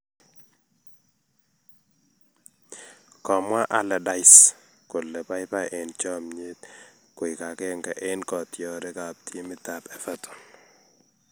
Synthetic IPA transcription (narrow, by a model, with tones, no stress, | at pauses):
kɔ˨mwa˦ʔa˦lɛ˨da˨js | kʊ˨lɛ˨pa˦jpa˦ʔɪ˨nt͡ʃɔ˦mɲe˦t̪̚ | kʊ˨ɪ˨ka˨kɛ˦ŋkɛ˨ʔɪ˦nkɔ˨tjɔ˨ɾɛ˦ka˨p̚tʰi˦mɪ˦ta˨pɛ˨fa˦tɔ̥˨n